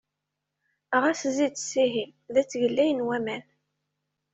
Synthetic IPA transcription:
ʁæszit͡ssiɦimðæt͡sːʝəlːæjənwæmæn

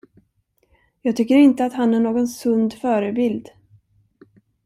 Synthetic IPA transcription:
jɑːɡ̚t̪ʰʏkːəɾɪnt̪əat̪hanːæɳoːɡɔnsɵnd̪fœːɾəbɪld̪

